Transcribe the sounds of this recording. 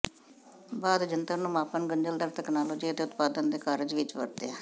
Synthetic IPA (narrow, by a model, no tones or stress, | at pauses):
baːd̪d͡ʒənt̪əɾnũːmaːpənɡəɲd͡ʒəld̪əːɾt̪ɛknaːloːd͡ʒiːət̪eːʊt̪paːd̪ənd̪eːkaːɾd͡ʒʋɪt͡ʃʋə̰ɾt̪eɛː